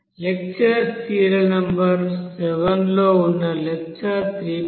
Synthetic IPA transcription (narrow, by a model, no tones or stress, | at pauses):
lek̚t͡ʃɐstiːɾɐnɐmbɐɾsɛʋɐnloːunːɐlɛk̚t͡ʃɐt̪ɾiː